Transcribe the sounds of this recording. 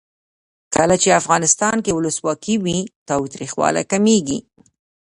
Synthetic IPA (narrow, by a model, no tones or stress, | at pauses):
kʰəlat͡ʃeafɣɑnɪst̪ɑnkewʊləswɑkiwit̪ɑwt̪ɾixwɑ̰la̰kameɡi